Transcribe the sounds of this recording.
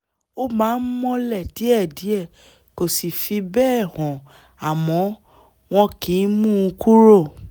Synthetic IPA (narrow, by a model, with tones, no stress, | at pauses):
o˦mãː˨˦n̩˦mɔ̃˧lɛ˦˨ti˨˦ɛ˦˨di˨˦ɛ˦˨ | ko˨si˨fi˧bɛː˦˨hɔ̃˨ | a˨mɔ̃˨˦ | w̃ɔ̃˧kĩ˨˦mũ˦˧kʰu˦ɾo˦˨